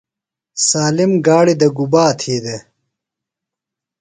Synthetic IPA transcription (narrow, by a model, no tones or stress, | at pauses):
saːlimɡaːɽid̪ɐɡubaːt̪ʰiːd̪e